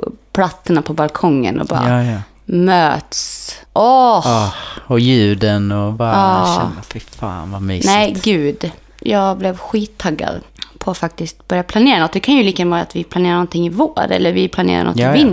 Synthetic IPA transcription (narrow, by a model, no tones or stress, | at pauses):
pʰlat̪ːəɳapʰɔbalkʰɔŋːə̰nɔ̰bɑ̰ːɾ | møːt̪sʔɔ | ɔjʉ̟ːd̪ənɔbaɑːɛfɪfa̰ːnvamyːnɛːɡʉ̟ːd̪ | jɑːɡblɛvɧiːt̪ʰːaɡːa̰d̪pʰɔat̪fak̚t̪ɪst̪̚bœɾjapʰlaneːɾanɔt̪̚ːd̪ɛkʰanjɵliːkaɡanvɑːɾat̪vɪplaneːɾaɳɔnt̪ʰɪŋːɪvoːɾɛ̰lːəɾvɪpʰlanḛːɾa̰nʔɔ̰tːvɪn